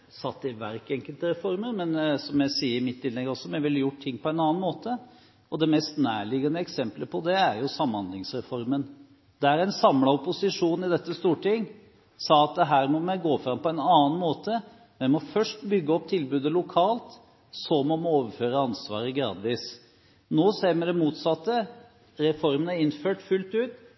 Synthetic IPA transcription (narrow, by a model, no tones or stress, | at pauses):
sɑt̪ːɪʋæɾkɛŋkəlt̪əɾɛfɔɾmənmɛnsɔmjæɪsiːəɾɪmɪt̪ːɪlːɛɡːəɔsːɔmæʋɪlːəjʊʈ̚t̪ʰɪŋːpʰɔɛnɑːnmoːt̪ʰə | ɔd̪ɛmɛst̪næːɭɪɡɑnəɛksɛmpləpʰɔd̪ɛæɾjʊsɑmːhɑnd̪lɪŋsɾɛfɔɾmən | d̪ɛæɾæɪnsɑmlɑʊpʊsɪʂuːnɪd̪ɛt̪ːəst̪uːʈɪŋː | sɑːɑt̪̚d̪ɛɦæːɾmɔmæɡoːfɾɑmpʰɔɛɪnɑːnmoːt̪ə | mɛmɔfœʂʈbʏɡːəɔp̚t̪ʰɪlbʉːd̪əlʊkʰɑːlt̪ | sɔmːɔmɔoːʋəɾføːɾəɑnsʋɑ̰ːɾəɡɾɑ̰ːd̪ʋiːs | noːseːɾmɛd̪ɛmuːt̪sɑt̪ːə | ɾɛfɔɾmənəɪnføːʈfʉlt̪ʉːt̪